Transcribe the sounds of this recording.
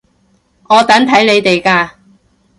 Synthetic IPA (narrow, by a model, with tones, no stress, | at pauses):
ŋɔː˨˧t̪ɐ˨˥nt̪ʰɐ˨˥jle˨˧jt̪e˨jkaː˧